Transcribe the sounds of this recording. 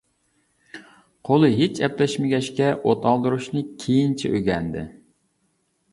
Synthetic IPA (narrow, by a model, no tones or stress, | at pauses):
qʰolˠɨɦet͡ʃɛplɛʃmɪɡʲɛʃkʲɛʔot̪ʰɑlˠd̪ɨɾuʃnɨkʲʰejint͡ʃʰiʔøɡʲɛnd̪ɪ̰